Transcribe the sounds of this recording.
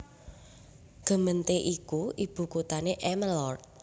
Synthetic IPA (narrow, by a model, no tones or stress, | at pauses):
ɡ̥ə̤mənt̪eʔikuʔib̥ṳkut̪aneʔɛməlɔrt̪̚